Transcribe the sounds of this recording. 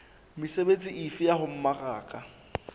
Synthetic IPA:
misebet͡sʼiʔifɪjahʊm̩maraːkʼa

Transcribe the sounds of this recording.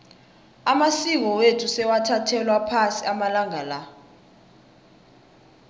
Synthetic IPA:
amasik̬ɔwetʰusɛwatʰatʰɛlwapʰasiamalaŋala

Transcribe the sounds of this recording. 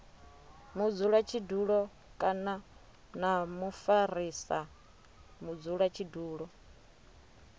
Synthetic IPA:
mud͡zuɺat͡ʃʰiduɺɔ | kʼana | namufaɾisa | mud͡zuɺwat͡ʃʰiduːɺɔ

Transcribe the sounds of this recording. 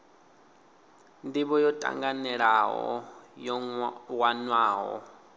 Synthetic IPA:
ndiβɔjɔtʼa̰ŋɡanɛɺaɦɔ̰jɔwanwaːɦɔ̰

